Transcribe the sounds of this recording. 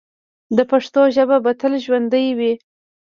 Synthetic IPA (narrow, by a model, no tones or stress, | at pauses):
d̪əpaʂt̪oʒəbabat̪əlʒwand̪əjwi